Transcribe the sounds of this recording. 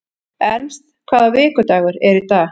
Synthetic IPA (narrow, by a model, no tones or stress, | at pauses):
ɛnmst̪kʰvaːðavɪːkʏt̪aːɣʏɾɛɾit̪a